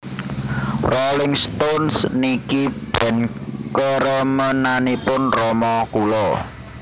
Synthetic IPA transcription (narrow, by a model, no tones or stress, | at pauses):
rɔlɪŋst̪onsnikib̥ɛ̤nkəɾɔmənanipʊnrɔmɔkulɔ